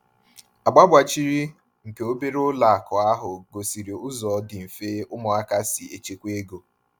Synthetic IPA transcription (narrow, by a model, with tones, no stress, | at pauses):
a˨ɡ͡ba˦bʷa˨t͡ʃi˦ɾi˦ | ŋ̩˨ke˨o˦be˦ɾʊ˦la˨a˨kɔ˨a˦ɦʊ˨ɡo˨si˨ɾi˨ʊ˦zɔ˨˦dɪ˨m̩˨feː˦ʊ˦mɔ˨a˦ka˦si˨e˨t͡ʃe˨kʷe˦ɡo˨